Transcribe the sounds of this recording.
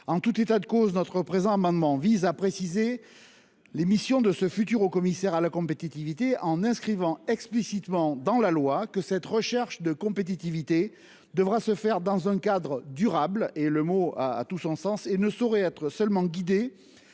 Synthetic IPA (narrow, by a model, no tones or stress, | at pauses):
ɑ̃t̪ut̪et̪ad̪əkoznɔt̪χəpχezɑ̃amɑ̃d̪mɑ̃vizapχesize | lemisjɔ̃d̪əsəfyt̪̬yʁokɔmisɛʁalakɔ̃pet̪it̪ivit̪eʔɑ̃nɛ̃skχivɑ̃ɛksplisit̪mɑ̃d̪ɑ̃lalwakəsɛt̪ʁəʃɛʁʃd̪əkɔ̃pet̪̬it̪ivit̪e | d̪əvʁasəfɛʁd̪ɑ̃zɛ̃kad̪ʁəd̪yʁableləmoaa̰t̪usɔ̃sɑ̃senəsɔʁɛɛt̪χəsœlmɑ̃ɡʲid̪e